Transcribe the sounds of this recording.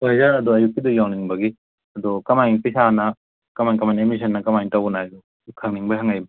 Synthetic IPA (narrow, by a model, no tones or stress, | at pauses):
ojzaɾɐduɐjukːidujawniŋbɐɡi | ɐdokɐmajŋpisanɐ | kɐmajŋkɐmajnemis̬ɐnːɐkɐmajŋtawnajdu | kʰɐŋniŋbɐɦaŋajmɐ